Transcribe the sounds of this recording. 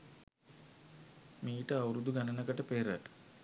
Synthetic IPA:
miːʈəawuɾud̪uɡanənəkəʈəpeːɾæt̪

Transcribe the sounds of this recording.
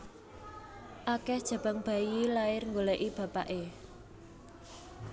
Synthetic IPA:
ʔakɛhd̥ʒ̥a̤b̥a̤ŋb̥a̤jilaɪrŋɡoleʔib̥a̤pa̰ʔe

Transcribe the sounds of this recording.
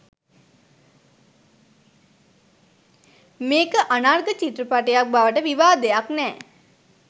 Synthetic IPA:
meːkəʔanarɡət͡ʃit̪ɾəpaʈəjak̚baʋəʈəʋiʋaːd̪ejaknɛː

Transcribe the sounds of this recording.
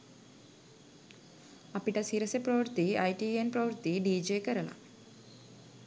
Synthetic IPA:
ɐpiʈɐsiɾɐsepɾɐʋɾt̪iɐjʈienpɾɐʋɾt̪iɖiːd͡ʒeːkɐɾɐlɐ̰

